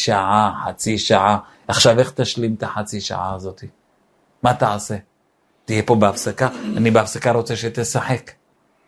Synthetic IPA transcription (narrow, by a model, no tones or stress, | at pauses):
ʃaʕaħat͡siʃaʕa | aχʃave̞χt̪aʃlimt̪aħat͡siʃa̰ʕa̰ːzo̞t̪i | mat̪aʕase̞ | t̪ijepo̞beafsakaanibeafsakaɾot͡seʃet̪esaħe̞k